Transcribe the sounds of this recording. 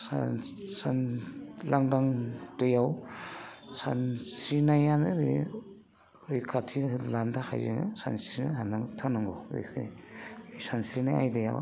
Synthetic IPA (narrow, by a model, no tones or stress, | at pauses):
sasanlaŋdaŋdɯjaw | sa̰nsɾinajanɯɾi | ɾijkʰatʰilandaha̰jzeŋɯ̰sa̰nsɾinaanaŋtʰanaŋɡowɾḛkʰɯnḭ | sansɾinaja̰jdɯja̰w